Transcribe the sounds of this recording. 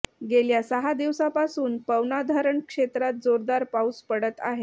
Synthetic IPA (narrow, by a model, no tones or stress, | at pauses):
ɡeljasəɦad̪iʋsapasuːnpəwnad̪ʱaɾəɳkʂet̪ɾat̪̚d͡zoɾd̪aɾpauspəɽət̪a̰ɦe